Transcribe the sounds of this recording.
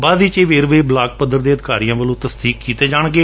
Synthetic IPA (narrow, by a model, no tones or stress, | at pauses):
baːd̪iːt͡ʃeːʋeːɾʋeːblaːk̚pəd̪ːəɾd̪eːəd̪ɪkaːɾijãːʋəlõːt̪əsd̪iːkːiːt̪eːd͡ʒaːɳɡeː